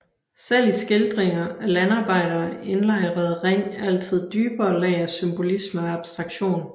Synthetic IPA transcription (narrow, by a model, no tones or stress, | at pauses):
sel̰isɡ̥eld̥ʁeŋɐælænɑ̈ːb̥ɑ̈ɪ̰ɾ̥ɐːe̝nlɑ̈ɪ̰ʁɐð̩ˠʁeŋ̰æl̰t͡sʰið̞̰ˠd̥yːb̥ɐːlɛɪɐsymb̥o̝lisməɒɑ̈b̥sd̥ʁɑ̈ɡ̥ɕo̝̰ːn